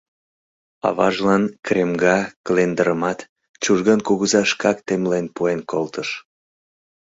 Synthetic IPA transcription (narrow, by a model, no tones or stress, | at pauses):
ɑ̰βɑ̰ʒlɑnkremɡɑklend̪əɾəmɑt̪ | t͡ɕuʒɣənkuɣəzɑʃkɑkt̪emlenpuenkolt̪əʃ